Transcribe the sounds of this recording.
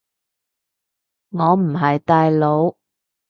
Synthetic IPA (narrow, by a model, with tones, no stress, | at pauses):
ŋɔː˨˧m̩˨˩ɦɐ˨jt̪aː˨˧jlo˨˧w